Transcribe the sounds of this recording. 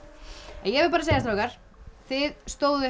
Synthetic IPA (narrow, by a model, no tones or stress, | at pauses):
ɛ̰jɛvɪɾpaːɾaseːjast̪ɾowkaɾ̥ | θɪðst̪oːwðɪ